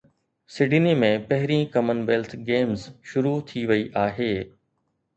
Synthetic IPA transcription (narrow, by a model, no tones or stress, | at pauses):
sɪɖɪnimẽpɐɦɪɾĩkɐmənʋeːlt̪ʰɡeːmzʃʊɾut̪ʰiʋɐiʔaːɦeː